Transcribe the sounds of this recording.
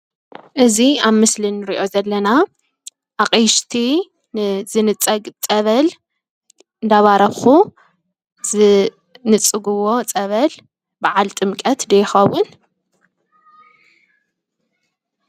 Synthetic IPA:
ʔɨziaβmɨslɨnːɨɾiʔo̞zɐlːɐna | ʔaqʼijʃt̪ʰi | nzɨnɨt͡sʼɐɡt͡sʼɐβɐl | ɨnd̪aβaɾɐβxu | zɨ | nɨt͡sʼːɨɡuwo̞t͡sʼɐβɐl | baʕalt̪ʼɨmkʼɐt̪d̪ejxɐwun

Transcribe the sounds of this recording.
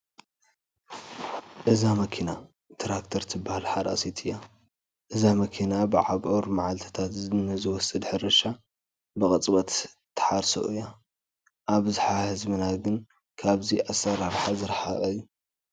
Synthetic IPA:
ʔɨzamɐkʰina | t̪ʰɾak̚t̪ʰɐɾt̪ʰɨbːahalħad̪a̰set̪ʰɨjːa | ʔɨzamɐkʰinabɨʕaβʔoɾmaʕalt̪ʰɐ̥t̪ʰat̪zɨnɨzɨwɔsʼɨd̪ħɨɾɨʃa | bɨkʼɐt͡sʼbɐt̪ | t̪ʰːɨ̥ħaɾso̰ʔɨjːa | ʔaβzħahɨzmɨnaɡɨn | kʰaβziʔasɐɾaɾħazɨɾħaʔʼɐjːu

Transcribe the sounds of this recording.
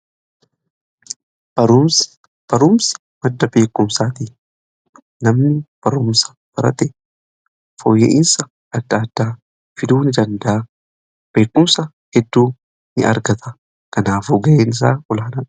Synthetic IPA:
bɐɾʊ | b̥ɐɾʊmsɐ̥mɐd̪ːɐbe̞ːkːʊmsaːt̪i | nɐmnɪb̥ɐɾʊmsɐ̥b̥ɐɾɐt̪ɛ | fɔjːɛ̰ʔɪnsɐ | ɐd̪ːaːd̪ːaː | fɪd̪uːnɪd̪ɐnd̪ɐʔ | b̥e̞ːkːʊmsɐ | hɛd̪ːuː | nɪ̰ʔɐ̰ɾɡɐt̪ʰɐ | kɐnaːfuːɡɐʔeːnɪs̬aːʔɔlaːnɐ

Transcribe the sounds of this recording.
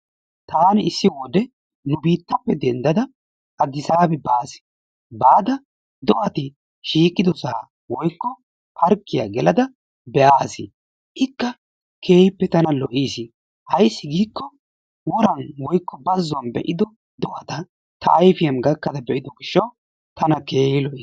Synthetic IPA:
t̪aːnɪɪsːɪwɔd̪ɛ | nʊbiːt̪ːɐpːɛd̪ɛnd̪ɐd̪ɐ | ʔɐd̪ɪsaːbɛbaːsɪ̥ | baːd̪ɐ | d̪ɔʔɐt̪ɪ | ʃiːkʼːɪd̪ɔsaː | wɔjkːɔ | pʰɐɾkːɪja̰ɡɛlɐd̪ɐ | bɛʔaːsɪ | ʔɪkːɐ | kʰeːhɪpːɛt̪ɐnɐlɔʔiːsɪ | hɐjsːɪɡiːkːɔ | wɔɾɐnwɔjkːɔbɐzːʊwɐnbɛ̰ʔɪd̪ɔ | d̪ɔʔɐt̪ɐ | t̪ɐ̰ʔːjfɪjɐmɡɐkːɐt̪ɐbɛʔɪd̪ɔɡɪʃːɐw | t̪ɐnɐkeːhɪlɔʔiː

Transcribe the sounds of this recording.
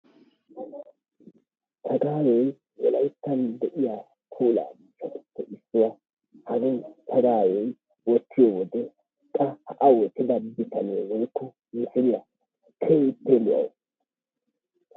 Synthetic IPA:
t̪ʰɐɡaːwɛj | wɔ̰lɐjt̪ːɐnd̪ɛʔɪjaː | kʰuːla̰ːɡɪt͡ʃːɐt̪ɪ̥pːɛʔɪsːʊwa | hɐɡɛnt̪ʰɐɡaːwɛj | wɔt̪ːɪjɔwɔd̪ɛ | kʼɐhɐʔɐwɔt̪ːɪd̪ɐbɪt̪ʰɐnewɔjkːʊ | mɪsɪdɪja | kʰeɪt̪ːɛlʊʔɐ̰w

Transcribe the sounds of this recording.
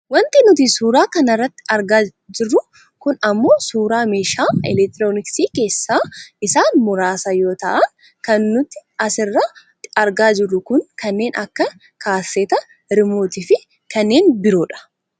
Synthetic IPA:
wɐnt̪ɪnʊt̪isuːɾaːkɐnɐrːɐt̪ːɪ̥ɐɾɡaː | d͡ʒɪrːʊ | kʊnɐmːo̞ːsuːɾaːmeːʃaːɪ̰lɛk̚t̪ɪɾoːnɪksiːke̞ːsːaːʔɪsaːnmʊɾaːsɐjo̞ːt̪ɐ̰ʔɐn | kɐnːʊt̪ːɪɐsɪrːɐ | ɐɾɡaːd͡ʒɪrːʊkʊnkɐnːe̞ːnʔɐkːɐ | kʰaːsːɛːt̪ɐ | ɾmoːt̪iːfɪ | kɐnːe̞ːnbɪɾoːᶑɐ̥

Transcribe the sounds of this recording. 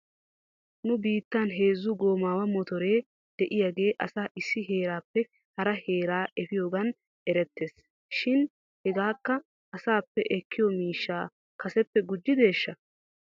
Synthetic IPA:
nʊbiːt̪ːanɦe̞ːzːʊɡo̞ːmaːwɐmɔt̪ɔɾe̞ː | d̪̥ɛʔɪjaɡe̞ːʔɐsaːʔɪsːɪɦe̞ːɾaːpːɛ | hɐɾɐhe̞ːɾaːʔɛfɪjo̞ːɡɐn | ɛɾɛt̪ːe̞ːs | ʃɪn | hɛɡaːkːɐ | ɐsaːpːɛʔɛkʰːɪjɔmiːʃːaː | kɐsɛpːɛɡʊd͡ʒːɪd̪e̞ːʃːɐ

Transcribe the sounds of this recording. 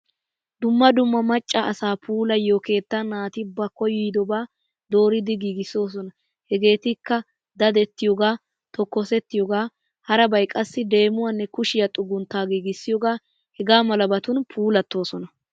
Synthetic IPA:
d̪ʊmːɐd̪ʊmːɐmɐt͡ʃʼːɐʔɐsaːpʰuːlɐjoːke̞ːt̪ːanaːt̪ɪbɐkːɔjʊjd̪ɔbaː | d̪o̞ːɾɪd̪ɪɡiːɡɪso̞ːs̬ɔnɐ | hɛɡe̞ːt̪ɪkːɐ | d̪ɐd̪ɛt̪ːɪjɔɡaː | t̪ɔkːɔsɛt̪ːɪjɔɡaː | hɐɾɐbɐjkʼɐsːɪd̪e̞ːmʊwanːɛkʊʃɪjɐt̪ʼʊɡʊnt̪ːaːɡiːɡɪsːɪjɔɡaː | hɛɡaːmɐlɐbɐt̪ʊnpʰuːlɐt̪ːo̞ːsɔnɐ

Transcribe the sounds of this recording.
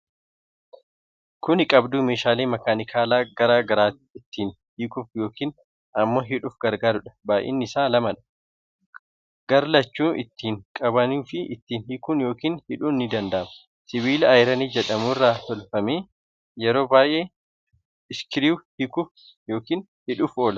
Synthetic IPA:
kʊnɪkʼɐbd̪uːmeːʃaːleːmɐkaːnɪkʰaːlaːɡɐɾaːɡɐɾaːt̪ɪt̪ːiːn | hikʊːfjo̞ːkiːn | ʔɐmːoːɦɪᶑuːfɡɐɾɡaːɾʊᶑɐ̥baːʔḛːnːɪɪsaːlɐmɐᶑɐ̥ | ɡ̥ɐɾlɐt͡ʃːuːʔɪt̪ːiːŋkʼɐbɐnuːfɪʔɪt̪ːiːnhɪkuːnjo̞ːkiːnhɪᶑuːnːɪd̪ɐnd̪ɐʔɐmɐ̥ | sɪβiːlɐjɾɐniːd͡ʒɛᶑɐmuːrːaːt̪ɔlfɐmeː | jɛɾo̞ːbaːʔeː | ɪskɪɾiːwhɪkʊf | jo̞ːkiːn | hɪᶑʊːfo̞ːlɐ

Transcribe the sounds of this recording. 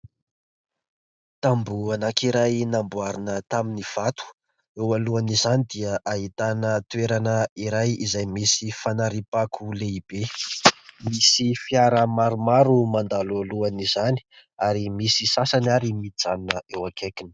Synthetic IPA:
t̪ambuanakiɾajnambuaɾinət̪aminiv̥at̪u̥ | ewaluanizanid̪iəʔaɦit̪anət̪ueɾanəiɾajizajmisifanaɾipakʰuleib̥e | misifiaɾəmaɾumaɾumand̪alaluanizani̥ | aɾimisisasanaɾimid͡zanunəʔewakʰekin

